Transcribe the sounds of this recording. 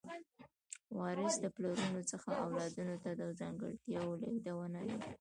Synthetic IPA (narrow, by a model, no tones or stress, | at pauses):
wɑɾəsd̪əploɾunot͡səxaʔawlɑd̪unot̪ad̪əzɑŋɡə̰ɽt̪jɑwoleɡd̪awənawḭ